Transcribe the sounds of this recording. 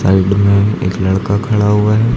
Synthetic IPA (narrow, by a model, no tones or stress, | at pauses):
saɪɖmẽḛːklɐɽkakʰɐɽaɦuaɦɛː